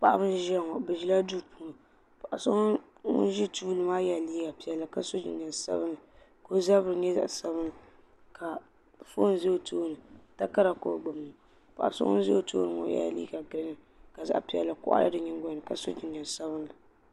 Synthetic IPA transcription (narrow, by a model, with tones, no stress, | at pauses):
pa˨ʔa˦bɨ˦n˦ʒa˦˨ŋɔ˨bɛ˨ʒi˦la˦du˦˨puː˦˨nɨ˨ | pa˨ʔa˨so˦ŋ˦ | ŋʊ̰˦n˦ʒi˦tuː˦lɨ˨maː˦ja˨liː˦ɡa˨pi˨ɛ˨lːa˨ka˦so˦d͡ʒḭ˨nː˨a˨n˨sa̰˦bɨ˦nɨ˨ | ko˦za˦bɨ˦ɨ˨ɲɛ˦za̰˨ʔsa˦bɨ˦nɨ˨ | ka˨ | fo˦n˨ze˦o˨tʰoː˦nɨ˨ta˦ka˦ɾa˨ko̰˦ɡ͡bo˨m˨ | pa˨ʔa̰˨sɔ̰˦ŋɔ̰˦n˦ze˦o˨to̰ː˦nɨ˨ŋɔ̰˨ja̰˦˨lḭː˦ɡa˨ɡɨ˨ɾɨ˦ŋɨ˦ | ka˨za̰˦ʔpi˨˦ɛ̰˨lːa˨kʊ̰˦ʔa̰˦la̰˦dɨ˨ɲɪ˦ŋ˦ɡɔ˦nɨ˨ka˨so̰˦d͡ʒɪ˨n˨a˨n˨sa˦bɨ˦n˦la˨